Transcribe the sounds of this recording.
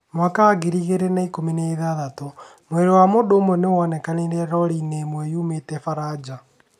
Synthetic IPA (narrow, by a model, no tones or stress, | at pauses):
mwakaːɣiɾiɣeɾenaikomineeðaðato | mweɾewamodoːmwɛnewɔnɛkaneɾɛɾɔɾinemwɛjuːmetɛfaɾad͡ʑa